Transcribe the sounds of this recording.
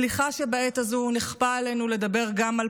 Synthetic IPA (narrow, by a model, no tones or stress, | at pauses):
liχaʃebaet̪azuniχpaːlenule̞d̪abe̞ʁɡamal